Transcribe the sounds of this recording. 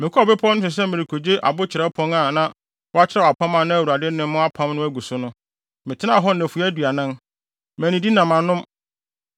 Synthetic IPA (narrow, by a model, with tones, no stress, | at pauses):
mɪ̃˨kʰʊ˦ɔ˦˨bɪ˦pʰɔ˦nʊ̃˦ɕɪ˨s̬ɛ˦mɪ̃˨ɾɪ˨kʰo˨d͡ʑe˦ʔa̰˨bʊ˦t͡ɕʰɪ˨ɛ˦pʰɔ̃˦ŋa˨nã˦ | wɔ˦a˦t͡ɕʰɪ˦ɾa˦˨a˨pʰã˦mã˨nʊ̃˦æ˨wu˨ɾa˨dɪ˦nɪ̃˦mʊ̃˦a˦pʰã˦m˦nʊ̃˦æ˦ɡu˨sʊ˦nʊ̃˦ | mɪ̃˨tʰɪ˦nã˦˨ɦɔ˦n̩˨næ̃˨fu˨˦æ˦du˨a˨nã˦n | mæ̃˨nĩ˨di˦nã˨mã˨nʊ̃˦m